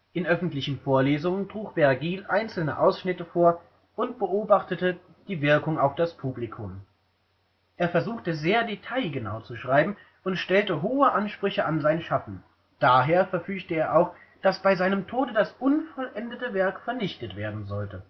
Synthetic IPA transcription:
ʔɪnʔœfn̩tlɪçn̩foːɐleːzʊŋəntʁ̥uːkv̥ɛɐɡiːlʔaɪnt͡sl̩nə̰ʔaʊsʃnɪtəfoːɐ | ʔʊntb̥əʔoːbaχtətə | d̥iːvɪɐkʊŋaʊfd̥aspʰuːblikʰʊm | ʔeːɐfɛɐzuːxtəzeːɐdetʰaɪɡəna̰ʊt͡suʃʁ̥aɪbm̩ | ʔʊntʃtɛltəɦoːəʔanʃpʁ̥ʏçəʔanzaɪnʃafn̩ | d̥aːɦeːɐfɛɐfyːçtəeːɐʔaʊx | d̥asb̥aɪzaɪnəmtʰoːdədasʔʊnfɔlʔɛndətəvɛɐkfɛɐnɪçtətv̥eːɐdn̩zɔltə

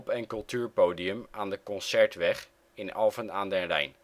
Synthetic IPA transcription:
pɛnkɵlˠtʰyːɹpoːdiəmaːndəkɔnsɛɹtʋɛχ | ɪnɑlˠfənaːndɛnrɛ̰jn

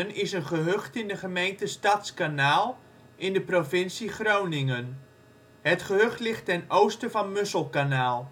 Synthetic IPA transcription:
ənɪsənχəɦøχtɪndəχəmejntəstɑtskanaːlˠ | ʔɪndəprofɪnsiχrownɪŋən | ɦətχəɦøχtlɪχtɛnowstəvɑnmøsəlˠkanaːlˠ

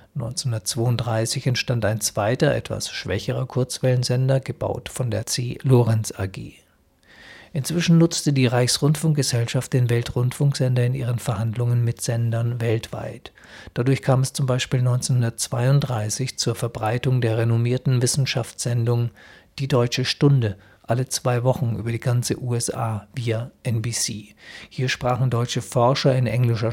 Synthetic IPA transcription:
nɔ̰ʏnt͡senhʊndɐtt͡sv̥oːʊntdʁaɪsɪçɛntʃtantaɪnt͡sv̥aɪtɐʔɛ̰tv̥a̰sʃv̥ɛ̰çəʁ̞ɐkʰʊɐt͡sv̥ɛlənzɛndɐɡəba̰ʊtfɔndeːɐt͡seːloːʁɛnsa̰ɐɡḛː | ʔɪnt͡sv̥ɪʃn̩nʊt͡stədiːʁaɪçsʁ̥ʊntfʊŋk̚ɡ̥əzɛlʃaft̚d̥eːnvɛltʁʊntfʊŋkz̥ɛndɐɪnʔḭːʁənfɛɐhandlʊŋənmɪtz̥ɛndɐnvɛltv̥a̰ɪt | d̥adʊɐçkʰaːmɛst͡sʊmbaɪʃpiːlnɔʏnt͡senhʊndɐtt͡sv̥aɪʊntd̥ʁaɪsɪçt͡suːɐfɛɐbʁaɪtʊŋdeːɐʁenomiːɐtn̩vɪsn̩ʃaft͡sz̥ɛndʊŋd̥iːdɔʏt͡ʃəʃtʊndə | ʔalət͡sv̥aɪvɔχn̩ʔy̰ːbɐɾiːɡant͡sə̰ʔuːɛsʔa̰ːviːaʔɛnbiːsiːhiːɐʃpʁ̥aːχn̩dɔʏt͡ʃəfɔɐʃɐɪnʔɛŋlɪʃɐ

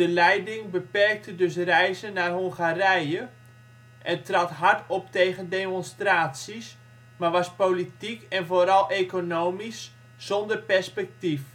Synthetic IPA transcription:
dəlɛjdɪŋbəpɛrk̚tədɵs̬rɛjzənarɦoŋχarɛjə | ʔɛntrɑtɦartɔp̚tejɣəndeːmonstraːtsis | marʋɑspolitikɛnvoːɾɑlˠʔekonoːmis | sɔndərpɛrspɛk̚tif

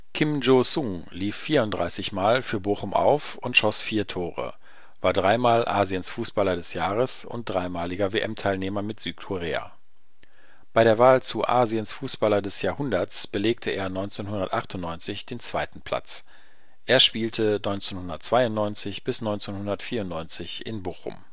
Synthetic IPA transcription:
kʰɪmd͡ʒoːsʊŋliːfːiːɐʊnt̚d̥ʁa̰ɪsɪçmaːlfyːɐboːχʊmʔa̰ʊf | ʊntʃɔsfiːɐtʰoːʁə̰ | vaːɐdʁaɪmaːlʔa̰ːziənsfuːsb̥alɐdɛsjaːʁəsʊ̰nt̚d̥ʁaɪmaːlɪɡɐveːʔɛmtʰaɪlneːmɐmɪtz̥yːt̚kʰʊʁeːa̰ | b̥aɪɾeːɐvaːlt͡suʔaːziənsfuːsb̥alɐdɛsjaːɐhʊndɐt͡sb̥əleːk̚tʰəʔeːɐnɔʏnt͡seːnhʊndɐtʔaχtʊntnɔʏnt͡sɪçd̥eːnt͡sv̥aɪtn̩pʰl̥a̰t͡s | ʔeːɐʃpiːltʰənɔʏnt͡seːnhʊndɐtt͡sv̥aɪʊnnɔʏnt͡sɪçb̥ɪsnɔʏnt͡seːnhʊndɐtfiːɐʊntnɔʏnt͡sɪçʔɪ̰nboːxʊ̰m

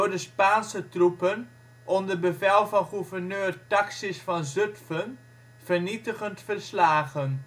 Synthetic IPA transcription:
ʊrdəspaːnsətrupən | ʔɔndərbəvɛlˠvɑnχuvərnøːrtɑksisfɑnzøtfən | v̥ərnitəχəntfərslaːχən

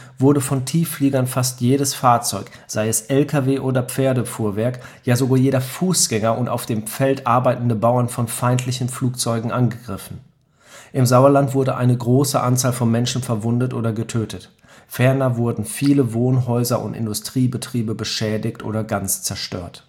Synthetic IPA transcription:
vʊɐdəfɔntʰiːfliːɡɐnfastjeːɾəsfaːɐt͡sɔʏk | z̥aɪɛsʔɛlkʰaveːʔoːdɐpp͡feːɐdəfuːɐvɛɐkjaːzoɡaːjeːɾɐfuːsɡ̥ɛŋɐʔʊnta̰ʊfd̥eːmp͡fɛltʔaɐbaɪtn̩dəbaʊɐnfɔnfaɪntʰlɪçn̩fluːk̚t͡sɔʏɡŋ̩ʔanɡəɡʁɪfn̩ | ʔɪmzaʊɐlantv̥ʊɐdəʔaɪnəɡʁoːsəʔant͡saːlfɔnmɛnʃn̩fɛɐvʊndətʔoːdɐɡətʰøːtʰət | fɛɐnɐvʊɐdn̩fiːləvoːnɦɔʏzɐʔʊ̰ntɪ̰ndʊstʁ̥iːbətʁ̥iːbəbəʃɛːdɪçtʔo̰ːɾɐɡant͡st͡sɛɐʃtø̰ːɐt

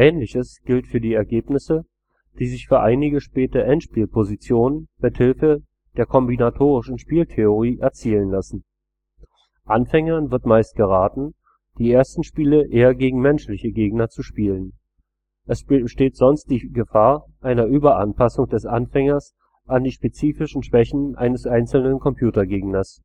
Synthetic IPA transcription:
ʔɛːnlɪçəsɡ̥ɪltfyːɐdiːɛɐɡeːpnɪsə | d̥iːzɪçfyːɐʔaɪnɪɡəʃpɛːtəʔɛntʃpiːlpʰozit͡sjoːnənmɪthɪlfə | d̥eːɐkʰɔmbinatʰoːʁɪʃn̩ʃpiːltʰeoʁiːʔɛɐt͡siːlənlasn̩ | ʔanfɛŋɐnvɪɐtmaɪst̚ɡ̥əʁ̞aːtn̩ | d̥iːʔeːɐstn̩ʃpiːləʔeːɐɡeːɡŋ̩mɛnʃlɪçəɡeːɡnɐt͡suʃpiːlən | ʔɛsʃteːtz̥ɔnst̚d̥iːɡəfaːɐ | ʔaɪnɐʔyːbɐʔa̰npʰasʊŋd̥ɛsʔanfɛŋɐs | ʔandiːʃpet͡siːfɪʃn̩ʃv̥ɛçn̩ʔa̰ɪnəsʔaɪnt͡sl̩nənkʰɔmpʰj̥uːtɐɡeːɡnɐs

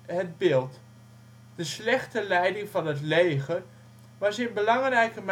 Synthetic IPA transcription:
ɦəd̚bɪːlˠt | dəslɛχtəlɛjdɪŋvɑnɦətlejχər | ʋɑsɪnbəlɑŋrɛjkəm

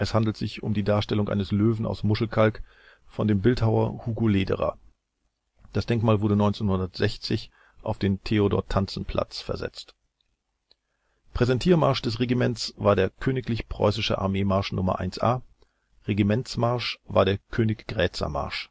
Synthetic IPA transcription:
ʔɛshandl̩tz̥ɪçʊmdiːdaːɐʃtɛlʊŋʔa̰ɪnəsløːvn̩a̰ʊsmʊʃl̩kʰalk | fɔndeːmbɪlthaʊɐ̰huːɡoleːdə̰ʁa̰ː | d̥asd̥ɛŋkmaːlvʊɐdənɔʏnt͡senhʊndɐtz̥ɛçt͡sɪç | ʔa̰ʊfd̥eːntʰeodɔ̰ːɐtʰant͡sn̩pʰl̥a̰t͡sfɛɐzɛ̰t͡st | pʁ̥ɛzɛntʰiːɐmaɐʃd̥ɛs̬ʁeɡimɛnt͡svaːɐdeːɐkʰøːnɪklɪçpʁ̥ɔ̰ʏsɪʃəʔa̰ɐmeːmaɐʃnʊ̰mɐ̰ʔa̰ɪnsʔa̰ː | ʁeɡimɛnt͡smaɐʃvaːɐɾeːɐkʰøːnɪçɡ̥ʁɛːt͡sɐ̰ma̰ɐʃ

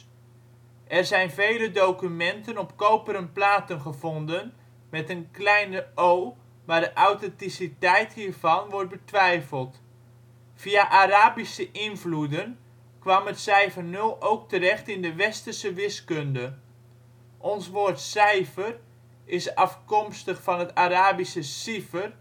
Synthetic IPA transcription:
ʔɛrzɛjnvejlədowkymɛntənɔpkowpəɾənplaːtənχəv̥ɔndən | mɛtənklɛjnəow | maːɹdəʔawtɛntisitɛjthiːrvɑnʋɔrt̚bətʋɛjfəlˠt | fiaʔaɾaːbisəʔɪnvludən | kʋamətsɛjfərnølˠowk̚təɾɛχtɪndəʋɛstərsəʋɪskøndə | ʔɔnsʋoːrtsɛjfər | ɪsɑfkɔmstəχfɑnɦətaɾaːbisəsifər

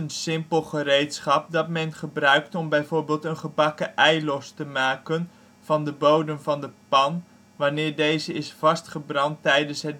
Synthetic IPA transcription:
ənsɪmpəlˠχərejtsχɑp̚dɑtmɛnχəbrœɥk̚tɔmbɛjvoːɹbɪːlˠtənχəbɑkəʔɛjlɔstəmaːkən | v̥ɑndəbowdəmvɑndəpɑn | ʋanɪːɹdejzəɪsfɑstχəbrɑntɛjdənsɦət̚

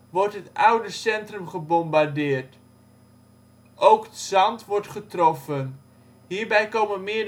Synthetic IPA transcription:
ʋɔɹtɦətawdəsɛntrəmχəbɔmbaɹdɪːɹt | ʔowkətsɑntʋɔɹtχətrɔfən | ɦiːɹbɛjkowmənmɪə

